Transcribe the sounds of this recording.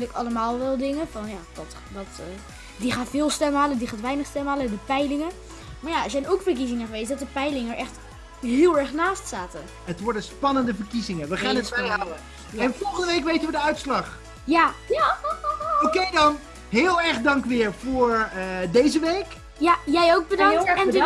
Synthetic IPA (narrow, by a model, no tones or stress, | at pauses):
dɪkɑ̰ləmaːlˠʋɛlˠdɪŋəfɑnjaːdɔt | dɔt | diχaːfɪːlˠstɛmɦaːləndiχaːtʋɛjnəχstɛmɦaːlədəpɛjlɪŋə | maɹjaɛzɛjnowkfəɹk̬izɪŋəχəʋejsdɔt̚əpɛjlɪŋəɹʔɛχt | ɦɪːlˠɛɹχnaːstsaːtə | ɦətʋɔɹdənspɑnəndəvəɹkizɪŋəʋəχaːnətɛjɦawə | jaɛnfɔlˠχəndəʋejkʋejtəʋədəœɥtslɑχ | ja | okejdɑn | ɦɪːlˠɛɹχdɑŋkʋɪːɹvʊːɹdejzəʋejk | jajɛjowk̚bədɑŋɛn